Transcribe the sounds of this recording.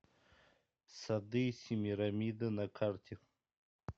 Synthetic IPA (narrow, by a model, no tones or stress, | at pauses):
sad̪ijsimiɾamid̪ənakʰaɾt̪ʰi